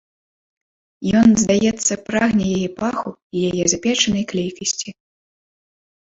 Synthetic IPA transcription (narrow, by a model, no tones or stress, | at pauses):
jɔnzd̪ajɛt̪sːɐpɾaɣnʲɛjajɛpaxuijajɛzapʲɛt͡ʂɐnɐjklʲejkɐsʲt͡sʲi